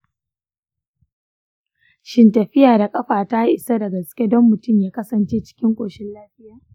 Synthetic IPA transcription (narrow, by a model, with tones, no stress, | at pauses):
ʃɪ˦ntɐ˨ɸɪ˦jaː˨da˨kʼɐ˦ɸaː˨ta˦i˦ʔɪ˨sa˦dɐ˨ɡɐ˨skʲe˦dɔ˦mːʊ˨tʊ˦˨mjaː˦kɐ˦sɐ˨nt͡ʃeː˦t͡ʃɪ̥˦kʲɪ˦ŋkʷʼoː˨ʃɪ˦nlaː˦ɸɪ˦jaː˨